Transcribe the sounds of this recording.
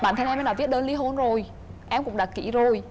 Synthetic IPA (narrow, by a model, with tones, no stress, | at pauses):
ɓaː˧˨nt̪ʰa˧ŋʔɛ˧m˧nɗaː˧˩vi˦˥t̚ɗəː˧nli˧˦ɦo˧nzo˨˩j | ʔɛ˧mkʊ̰˧˥ŋ͡mɗaː˧˩kḭ˧˦zo˨˩j